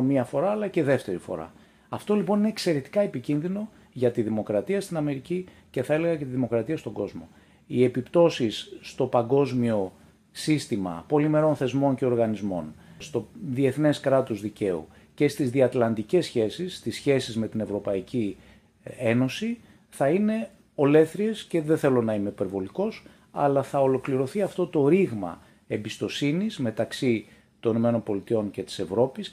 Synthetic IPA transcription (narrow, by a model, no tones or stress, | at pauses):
miɐfo̞ɾɐːlɐce̞ðe̞ft̪e̞ɾifo̞̰ɾɐ̰ | ɐft̪o̞lipo̞nineːkse̞ɾe̞t̪i̥kɐepicinðino̞ | ʝɐt̪iðimo̞kɾɐt̪iɐst̪inɐme̞ɾici | ce̞θɐe̞le̞ɣɐcet̪iðimo̞kɾɐt̪iɐst̪oŋɡo̞zmo̞̰ | ie̞pipt̪o̞sisːt̪o̞pɐɡo̞zmio̞ | sist̪imɐ̰po̞lime̞ɾo̞nθe̞zmo̞ɲce̞o̞ɾɣɐnizmo̞̰nst̪o̞ðie̞θne̞skɾɐt̪uzðice̞ṵ | ce̞st̪izðiɐt̪lɐnd̪ice̞sçe̞sist̪isçe̞sizme̞t̪ine̞vɾo̞pɐici | eno̞si | θɐine̞ | o̞le̞θɾie̞sce̞ðeθe̞lo̞nɐime̞ipe̞ɾvo̞liko̞s | ɐ̰lɐθɐo̞lo̞kliɾo̞θiɐft̪o̞t̪o̞ɾiɣmɐ̰ | e̞mbist̪o̞sinizme̞t̪ɐksi | t̪o̞nino̞me̞no̞mpo̞lit̪io̞nce̞t̪i̥se̞vɾo̞pis